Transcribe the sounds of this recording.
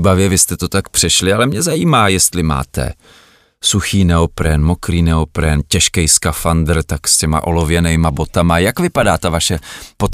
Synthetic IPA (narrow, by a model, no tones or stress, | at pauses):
bavjɛvɪst̪ɛt̪o̞t̪akpr̝̥ɛʃlɪalɛmɲɛzajiːmaːjɛst̪lɪma̰ːt̪ɛ̰ | suxiːnɛo̞pɾɛnmo̞kɾiːnɛopɾɛncɛʃkɛjskafand̪r̩t̪akscɛma̰ʔo̞lovjɛnɛjmabo̞t̪amajakvɪpadaːt̪avaʃɛpot̪